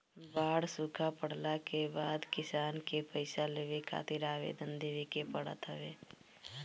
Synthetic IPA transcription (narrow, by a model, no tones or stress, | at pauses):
baːɽsʊkʰapəɽlakebaːd̪kɪsaːnkepəɪsaleːʋekʰa̰ːt̪ɪɾaːʋḛːd̪ənd̪eːʋekepəɽə̰t̪ɦəʋeː